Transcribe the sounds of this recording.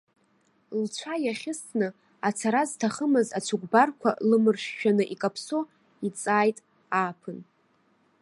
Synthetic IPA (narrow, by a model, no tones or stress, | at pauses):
lt͡ʃʷʰajaχʲɪstʰnɨ | at͡sʰaɾaztʰaχəmɨzat͡sʷʰuɡʷbarkʷʰa̰lɨmɨrʃᶣʃᶣanɨʔikʼapʰso | it͡sʼaːjtʼ | aːpʰɨn